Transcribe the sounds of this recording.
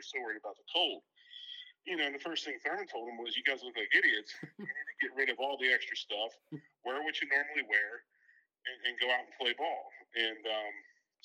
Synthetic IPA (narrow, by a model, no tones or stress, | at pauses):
sowɜ˞ɨ̃ɾɨbaʊt̪̚ðəkʰoʊlˠd̥̚ | jɨnoʊɨ̃nðɨfɜ˞st̪̚θɪ̃ŋfãɨ̃ntʰoʊlˠdə̃mwʌzjɨɡaɪzlɪ̃vlaɪkɪɾiɨtsɨɨ̃nɨɡɛʔ̚ɹɪɾʌvɔlˠðiɛkstɹ̥ɨstʌf | wɛɹwɨt͡ʃɨnɔɹml̩ˠiwɛɹ | ɨ̃nɨ̃nɡoʊaʊɾn̩pʰl̥eɪbɔlˠɨ̃nʌ̃m